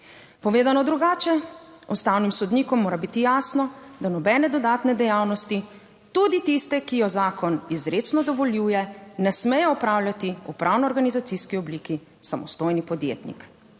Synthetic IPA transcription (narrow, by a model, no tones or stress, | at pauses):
pɔʋeːd̪anɔd̪ɾuɡaːt͡ʃɛɔst̪awnimsɔd̪niːkɔmːoːɾabit̪ijaːsnɔd̪anɔbɛːnɛd̪ɔd̪aːt̪nɛd̪ɛjaːwnɔst̪i | t̪ud̪it̪ist̪ɛkijɔzaːkɔnizɾesnɔd̪ɔʋɔljuːjɛnɛsmɛjɛɔpɾaːwlʲjat̪iṵpɾʔaːwnɔɔɾɡanizat̪siskiɔbliːki | samɔ̰st̪oːjnipɔd̪jḛːt̪nḭk